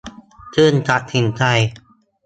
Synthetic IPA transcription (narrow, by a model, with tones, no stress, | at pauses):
t̪ʰɯː˥˩˨nt̪ʰa˨˧˩ʔt̪ʰi˨˩nt̪ʰa˧j